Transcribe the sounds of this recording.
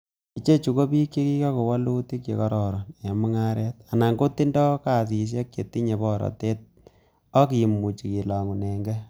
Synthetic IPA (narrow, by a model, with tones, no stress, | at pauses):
i˦t͡ʃe˦t͡ʃu˨ko˦pi˦kje˦ki˦ka˦ko˨wa˦lu˦ti˦kjḛ˨kɔ˦ɾɔ˨ɾɔ˨nje˨mu˦ŋa˦ɾɛ˦t̚a˨na˨ŋɡo˦tːi˦ndɔ˦ka˦˨si˨s̬e˦k̚t͡ʃe˨tːi˦ɲe˨bɔ˦ɾɔ̰˨te˦t̚ | ɔ˦ki˨i˨mːu˨t͡ʃi˨ki˨la˨ŋu˨nɛ˨ŋɡɛ˦